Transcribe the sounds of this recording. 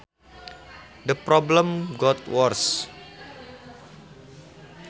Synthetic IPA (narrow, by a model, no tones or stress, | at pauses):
dəpɾɔbləmɡɔt̪wɔrs